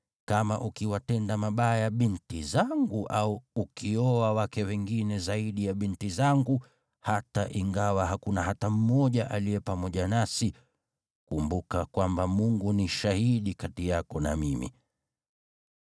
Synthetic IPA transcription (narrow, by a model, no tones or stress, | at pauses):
kama̰ʔukiwatɛndamaɓajaɓintizaŋɡuʔauːkʰiɔawakɛwɛŋɡinɛzaiɗijaɓintizaŋɡu | hataʔiŋɡawaɦakunaɦatam̩mɔʄaʔalijɛpamɔʄanasi | kumbukakwambamuŋɡuniʃahiɗikatijakɔna̰mimḭ